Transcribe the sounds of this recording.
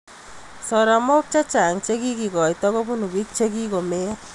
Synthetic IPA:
sɔɾamɔk̚t͡ʃat͡ʃaŋt͡ʃeɡiɡiɡɔjt̪ɔɡɔbunubik̚t͡ʃʰeɡiɡɔme

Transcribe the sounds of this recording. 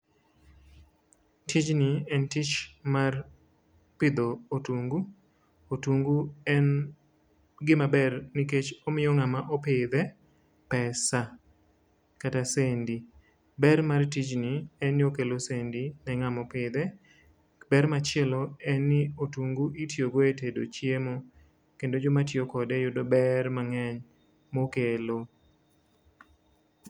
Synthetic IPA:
tʰid͡ʒniɛntit͡ʃmar | pɪd̪oːtuŋɡu | otuŋɡuɛn | ɡɪmabɛrnɪket͡ʃomɪjɔŋamaʔopɪd̪ɛ | pɛsa | katasendi | bɛrmartit͡ʃnɪɛnɪokelosendinɛŋamɔpɪd̪ɛ | bɛɾmat͡ʃjɛloɛnːɪotuŋɡuʔitjoɡoetedo̰t͡ʃjemo | kendod͡ʒomatjokɔdɛjʊdobɛrmaŋɛɲ | mokelo

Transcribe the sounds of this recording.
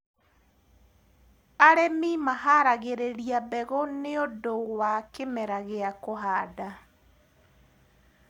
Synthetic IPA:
aɾɛmimahaɾaɣeɾeɾiabɛɣɔneodowakemɛɾaɣeakoɦaːda

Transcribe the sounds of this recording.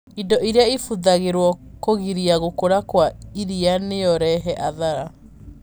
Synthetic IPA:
indɔʔiɾeaifuðaɣeɾwɔkoɣiɾiaɣokoɾakwaiɾianeɔɾɛɦɛʔaðaɾa

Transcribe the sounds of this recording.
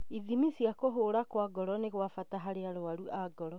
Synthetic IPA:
iðimisiakoɦoːɾakwaɡɔɾɔneɣwafataɦaɾeaɾoaɾuʔaɡɔɾɔ

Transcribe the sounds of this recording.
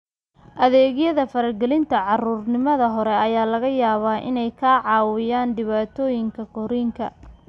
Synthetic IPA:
ʔɐðɛːɣjɐðɐfɐɾɐlɡɛlɪnt̪ʰɐʕɑruːrnɪmɐðɐɦɔɾɛɐjaːlɐɣɐjaːβaːʔɪ̰nɛjkʰaːʕɑːwɪjaːnɖɪβaːt̪ʰɔːjɪŋkʰɐkʰɔɾiːŋkʰɐ̰

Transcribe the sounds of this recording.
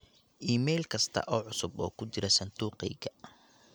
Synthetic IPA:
ʔiːmɛjlkʰɐst̪ʰɐ̰ʔɔːʕʊsʊbɔːkʰʊt͡ʃɪɾɛsɐnd̪uːqɛjɣɐ

